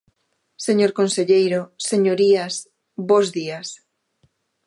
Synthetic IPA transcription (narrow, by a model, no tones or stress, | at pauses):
seɲoɾkonseʎejɾoseɲoɾias | bozðias